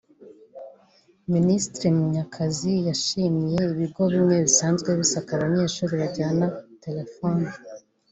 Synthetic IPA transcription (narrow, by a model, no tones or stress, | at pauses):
ministɾimuɲakʰazijaʃimije̞iβiɡo̞βimɲe̞βisaːnzɡwe̞βisakaβaɲe̞ːʃuːɾiβaɟaːnate̞le̞foni